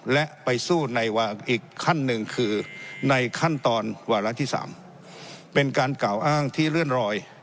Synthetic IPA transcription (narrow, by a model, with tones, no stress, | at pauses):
lɛ˦˥ʔpa˧jsuː˥˩na˧jwaː˧ʔiː˨˩kʰːa˥˩nːɯ˧ŋkʰɯː˧na˧jkʰa˥˩nt̪ɔː˧nwaː˧ɾa˦˥ʔt̪ʰiː˥˩sa̰ː˩˦m | pe˧nkaː˧nkaː˨˩wʔaː˥˩ŋt̪ʰiː˥˩ɾɯ˥˩ənɾɔː˧j